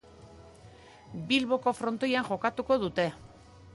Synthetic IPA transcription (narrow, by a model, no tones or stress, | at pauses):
bilβo̞ko̞fɾo̞nt̪o̞jaŋʝo̞kat̪uko̞ð̞ut̪e̞